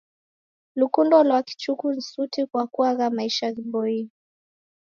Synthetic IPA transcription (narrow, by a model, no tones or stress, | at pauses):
lukundɔlwaki̥t͡ʃukun̩sutikwakuaɣamaiʃaɣiɓɔi